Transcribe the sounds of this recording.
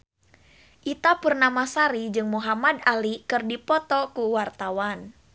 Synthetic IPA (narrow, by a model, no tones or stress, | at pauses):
ʔit̪apərnamasaɾid͡ʒɨŋmuɦamadalikɨrdipɔt̪ɔkuwart̪awan